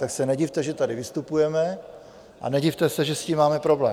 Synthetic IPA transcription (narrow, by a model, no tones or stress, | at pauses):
t̪aksɛnɛɟift̪ɛʒɛt̪adɪvɪst̪upujɛmɛ | ʔa̰nɛɟift̪ɛsɛʒɛsciːmːaːmɛpɾo̞blɛ̰ː